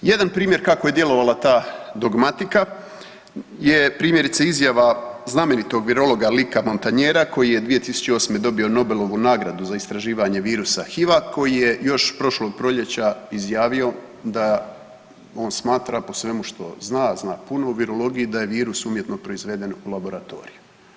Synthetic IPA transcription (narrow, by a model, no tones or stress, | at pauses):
je̞d̪anpɾiːmje̞ɾkakoje̞d̪je̞lˠo̞ʋalat̪aːd̪o̞ɡmat̪ika | je̞pɾiːmje̞ɾit̪seizjaʋazname̞nit̪o̞ɡʋiɾo̞lo̞ɡalikamo̞nt̪aɲeːɾako̞jije̞d̪ʋije̞t̪isu̥t͡ɕeo̞ːsme̞d̪o̞bio̞no̞be̞lˠo̞ʋunaːɡɾad̪uzaist̪ɾaʒiːʋaɲe̞ʋiːɾusaxiʋako̞jije̞jo̞ʃpɾo̞ʃlo̞ːɡ̚pɾo̞ʎe̞t͡ɕaizjaːʋio̞ | d̪a | o̞ːnsmaːt̪ɾapo̞sʋe̞muʃt̪o̞̰znaːznaːpuno̞uʋiɾo̞lo̞ɡijid̪aje̞ʋiːɾusumje̞t̪no̞pɾo̞izʋe̞d̪e̞nulˠabo̞ɾat̪o̞̰ːɾiju